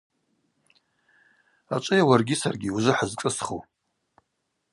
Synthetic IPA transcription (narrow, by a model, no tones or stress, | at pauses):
a̰t͡ʃʷʼɨjawarɡʲisarɡʲiuzɨħazkʼɨsχow